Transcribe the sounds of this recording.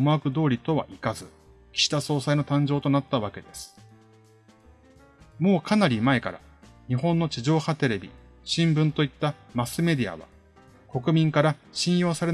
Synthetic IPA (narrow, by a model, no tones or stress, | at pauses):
moakɯ̟d̪o̞ːɾʲit̪o̞βa̰ʔikazɨ | kʲi̥ɕi̥t̪aso̞ːsaino̞t̪ãɲ̟d͡ʑo̞ːt̪o̞nat̪ːaβake̞d̪e̞sɨ̥ | mo̞ːkʰanaɾʲimae̞ka̰ɾa̰ | ɲ̟iɦõ̞nːo̞t͡ɕiʑo̞ːhat̪e̞ɾe̞bʲḭɕĩmbɯ̟̃nt̪o̞it̪ːamasɨme̞d̪ʲia̰βa̰ | ko̞kɯ̟mʲĩŋkaɾaɕĩɰ̃jo̞ːsaɾe̞